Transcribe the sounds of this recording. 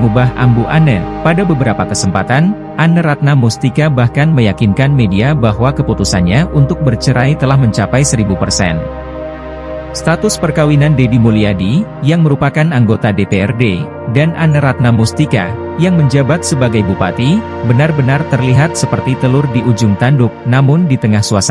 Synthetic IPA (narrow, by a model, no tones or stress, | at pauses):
ubaɦʔa̰mbuʔanə̰padabəbəɾapakəsəmpat̪an | ʔanəɾat̪̚namust̪ikabahkanməjakinkanmediabaɦwakəput̪usanɲaʔunt̪ʊk̚bərt͡ʃəɾajt̪əlahməɲt͡ʃapajsəɾibupərsɛ̰n | st̪at̪ʊspərkawinandedimuliadijaŋməɾupakanaŋɡot̪adepeɛrde | danʔanəɾat̪̚namust̪ika̰ | jaŋməɲd͡ʒabat̪̚səbaɡajbupa̰t̪i | bənarbənart̪ərliɦat̪̚səpərt̪it̪əlʊrdiʔud͡ʒʊŋt̪andʊk̚namʊndit̪əŋahsuasa